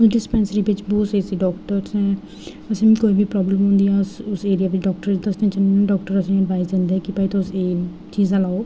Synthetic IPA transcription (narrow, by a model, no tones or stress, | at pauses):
ʊsɖɪspɛ̃ːnsəɾiːbɪt͡ʃbɔːt̪səːiːsiːɖɔːkʈəɾsɛ̃ | əsĩkoːiːbiːpɾɔːbləmɦʊ̃nd̪iːɛʊsʊseːɾijaːʋɪt͡ʃɖɔːk̚ʈəɾɪt͡ʃd̪əst̪ẽt͡ʃənːɖɔːkʈəɾəsəɖʋaːizd̪ẽːnd̪eɦɛːkɪpaiːt̪õʊseː | t͡ʃiːzalaːoː